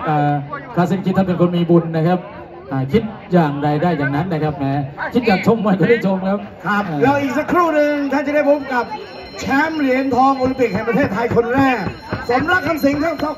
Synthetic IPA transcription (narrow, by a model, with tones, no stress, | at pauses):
ʔaː˨˩kʰaː˧˩s̬i˧˩ŋkʰi˦˥t̪̚ʰːa˥˩pe˧nkʰo˧nmiː˧bu˧nːa˦˥kʰa˦˥p̚ | ʔaː˨˩kʰi˦˥t̪̚jaː˨˩ŋɾa˧jdaː˥˩jːaː˨˩ŋna˦˥nːa˦˥kʰa˦˥p̚mɛː˦˥kʰi˦˥t̪̚jaː˨˩k̚t͡ɕʰo˧mːaː˧jkɔː˥˩ɾaː˥˩jt͡ɕʰo˧mkʰa˦˥p̚kʰa˦˥p̚ːlɛː˦˥wʔiː˨˩k̚sa˨˦kʰɾuː˥˩nɯ˧ŋt̪ʰa˥˩nt͡ɕa˨˩˦da˥˩jpʰo˦˥˩p̚ka˨˩p̚ | t͡ɕʰɛː˦˥mɾi˨˦ənt̪ʰɔː˧ŋʔoː˧li˧mpi˨k̚ɦɛ˨˩pɾʰeː˥˩t̪ʰːa˧jkʰo˧nɾɛː˥˩k̚ | so˨˩˦mɾa˧˩k̚kʰːa˧msi˨˦ŋt̪ʰi˧˥˩t̪ɔ˥˩